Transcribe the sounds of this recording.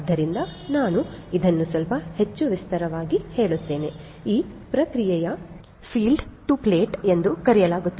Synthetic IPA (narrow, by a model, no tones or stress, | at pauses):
d̪ːɐɾind̪ɐnaːnuid̪ɐnːusʋɐlpɐhe̞t͡ʃːuʋist̪ɐɾɐʋaːɡihe̞ːɭut̪ːe̞ːne̞ | iːpɾɐkɾijɛjɐ | pʰiːlɖʈupleːʈe̞nd̪ukɐɾijɐlaːɡut̪ːɐ